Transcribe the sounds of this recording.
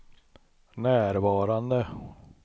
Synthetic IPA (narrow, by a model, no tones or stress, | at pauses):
næːɾvɑːɾand̪ə